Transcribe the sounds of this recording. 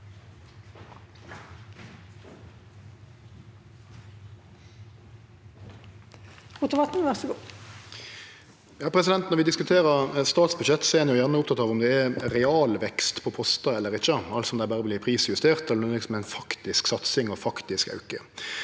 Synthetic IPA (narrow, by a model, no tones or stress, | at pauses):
ʊt̪əʋɑt̪n̩ʋæʁsəɡoː | jɑːpʰʁɛs̬ɪd̪ɛnt̪nɔʁɾʋɪd̪ɪskʉt̪ʰeːʁəʁst̪ɑːt̪sbʉd̪ʃɛt̪ːsɔɛɛnjʊjæʁnəʊp̚t̪ʰɑt̪ɑːʋɔmd̪ɛɛɾɛɑːlʋɛkst̪pʰɔpʰɔst̪ɑɛlːəɾɪçːəɑlsɔmd̪æɪbæːʁəblɪːpʰʁiːsjʉst̪ʰeːʁt̪ɛlənuːɪksmɛæɪnfɑkt̪ɪsksɑt̪sɪŋɔfɑkt̪ɪskɑ̰ʉkə̰